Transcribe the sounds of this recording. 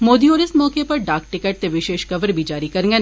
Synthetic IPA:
moːd̪iɔːɾɪsmɔːkepɐɾɖaːk̚ʈɪkɛʈ̚t̪eʋɪʃeːʃkɐʋəɾbʱid͡ʒaːɾikɐɾ̃ŋɡe

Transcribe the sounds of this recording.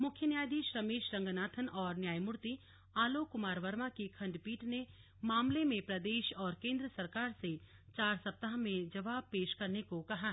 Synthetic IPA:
mʊkʰjənjaːjd̪iːʃɾɐmeːʃɾɐ̃ŋɡnaːt̪ʰənɔːɾnjaːjmʊɾt̪i | aːlokʊmaːɾʋɐɾmakikʰɐ̃ɳɖpiːʈne | maːmlemẽpɾɐd̪eːʃɔːɾkẽːnd̪ɾəsɐɾkaːɾset͡ʃaːɾsɐp̚t̪aɦmẽd͡ʒɐʋaːb̚peːʃkɐɾnekokɐɦaː

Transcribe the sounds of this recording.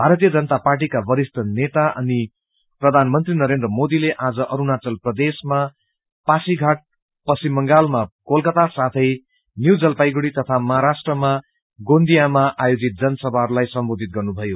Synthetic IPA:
bʱaɾʌt̪ijʌd͡zʌnʌt̪aparʈ̬ikabʌɾist̪ʌnet̪aʔʌ̰ni | prʌd̪ʱanmʌnt̪rinʌɾend̪rʌmod̪ileʔad͡zʌʔʌɾunat͡sʌlprʌd̪esma | pasiɡʱaʈ̚ | pʌsimːʌŋɡalmakolkʌt̪asat̪ʰʌj | njuwd͡zʌlpajɡuɽit̪ʌt̪ʰamʌɦaɾasʈrʌma | ɡond̪ijamaʔajod͡zit̪̚d͡zʌnʌsʌbʱarlajsʌmbod̪ʱit̪̚ɡʌrnubʱʌjo

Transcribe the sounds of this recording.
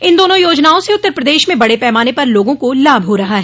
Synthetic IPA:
ɪnd̪oːnõjoːd͡ʒnaːõseʊt̪ːəɾpɾəd̪eːʃmẽbɐɽepɛːmaːnepɐɾloːɡõkolaːbʱɦoɾɐɦaɦɛː

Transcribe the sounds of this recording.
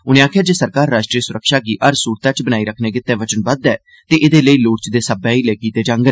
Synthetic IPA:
ʊnẽːaːkʰɪjaːd͡ʒeːsəɾkaːɾːaːʃʈɾiːəsʊɾəkʃaːɡiːʔəɾsuːɾt̪ãːt͡ʃbənaːiːɾəkʰneːɡɪt̪ːɛːʋət͡ʃənbəd̪ɛː | t̪eːʔɪd̪eːləiːloːʈt͡ʃd̪eːsəbɛ̃ːiːlɛːkiːt̪eːd͡ʒãːŋɡə

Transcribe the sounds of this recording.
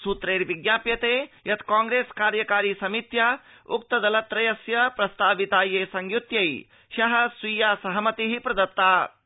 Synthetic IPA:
sut̪ɾeːɾʋiɡjaːpjɐt̪eːjɐt̪kaːŋɡɾeːskaːɾjɐkaːɾiːsɐmit̪jɐ | uk̚t̪ɐd̪ɐlɐt̪ːɾɐjɐsjɐpɾɐst̪aːʋit̪aːjeːsɐŋɡjut̪jɐj | ʃɐɦɐ̆sʋijaːsɐɦɐmɐt̪iɦipɾɐd̪ɐt̪ːaː

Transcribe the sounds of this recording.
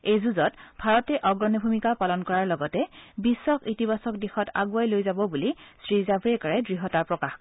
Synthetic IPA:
ejzuzɔtbʱaɹɔtɛʔɔɡɹɔnɔbʱumikapalɔnkɔɹaɹlɔɡɔtɛbisːɔkitibasɔk̚dixɔta̰ɡuajlojzabɔbulisɹizabʱɹɛkɔɹɛdɹiɦɔtaɹpɹɔkax

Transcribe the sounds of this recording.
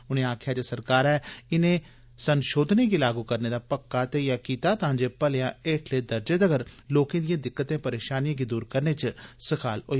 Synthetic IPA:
ʊnẽːaːkʰjaːd͡ʒaːsəɾkaːɾɛːɪnẽː | sənʃoːd̪ʱneːkiːlaːɡuːkəɾneːd̪aːpəkːaːt̪ejaːkiːt̪aːt̪ɐɦãːɲd͡ʒeːpəljãːeːʈʰleːd̪əɾd͡ʒed̪əɡəɾloːkẽːd̪ɪjãːd̪ɪkːət̪ẽːpəɾeːʃaːnijãːɡiːd̪uːɾkəɾneːt͡ʃsəkʰaːlɦoːi

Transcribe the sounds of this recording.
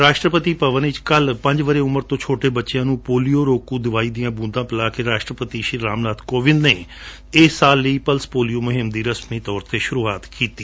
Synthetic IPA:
ɾaːʃʈɾəpət̪iːpəʋənɪt͡ʃkəlpə̃ɲd͡ʒʋəɾeːʊməɾt̪õːt͡ʃʰoːʈeːbətːʃɪjãːnũːpoːlijoːɾoːkũːd̪ɪʋaːiːd̪ijãːbũːnd̪ãːpɪlaːkeːɾaːʃʈɾəpət̪iːʃiɾːaːmnaːd̪koːʋɪnd̪neː | ɪːsaːlːiiːpəlspoːlijoːmʊɦɪmd̪iːɾəsmiːt̪ɔːɾt̪eːʃʊɾuːaːt̪kiːt̪iː

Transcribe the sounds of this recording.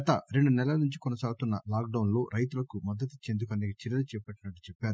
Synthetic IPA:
ɐt̪ɐɾeɳɖunɛlɐlɐnuɲt͡ʃi̥kɔnɐsaːɡut̪unːɐlaːk̚ɖɐwnlo̞ːɾʔɐjt̪̬ulɐkumɐd̪ːɐt̪it͡ʃːeːnd̪uk̬ɐniːɡɐt͡ʃiɾɐlɐt͡ʃɛːpɐʈːinɐʈːu̥t͡ʃɛpːaːɾu

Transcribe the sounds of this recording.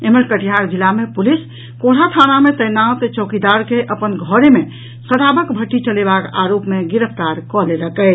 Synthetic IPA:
eməɾkəʈijaɾd͡ʒilːamepulis | koɽ̤at̪ʰanamet̪əjnãt̪et͡ʃɔkid̪aɾkeʔəpənɡʱɔɾeme | səɽabəkbʱəʈːit͡ʃəlebaka̰ɾopmeɡiɾəpʰt̪aɾkɔleɾəkə

